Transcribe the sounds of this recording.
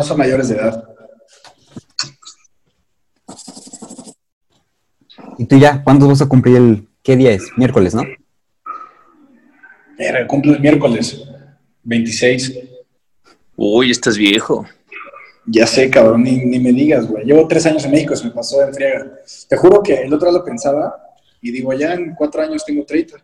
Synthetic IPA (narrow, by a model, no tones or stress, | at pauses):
oso̞nmaʝoɾe̞zðeðað | it̪uʝakwant̪ozβas̬akumpliɾel | ke̞ðiaesmje̞ɾko̞le̞sno̞ | ḛɾakumploelmje̞ɾko̞le̞s | be̞jnt̪isejs | ojest̪azβjexo̰ | ɟ͡ʝase̞kaβɾoninime̞ðiɣazɣweʝe̞βo̞t̪ɾes̬aɲo̞s̬enmexikosemepasoeɱfɾjaɣat̪e̞xuɾo̞ke̞ːlot̪ɾoalope̞nsaβa | iðiɣo̞ʝaeŋkwat̪ɾoaɲo̞st̪eŋɡot̪ɾejt̪ḁ